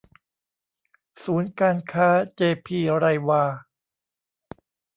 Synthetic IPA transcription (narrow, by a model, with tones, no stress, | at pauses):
suː˩˦˥nkaː˧nkʰaː˦˥t͡ɕeː˧pʰiː˧ɾa˧jwaː˧